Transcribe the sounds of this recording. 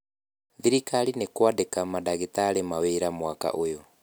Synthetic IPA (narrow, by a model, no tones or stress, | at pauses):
ðiɾikalinekwadekamadaɣitalemaweiɾamwaka̰ʔojɔ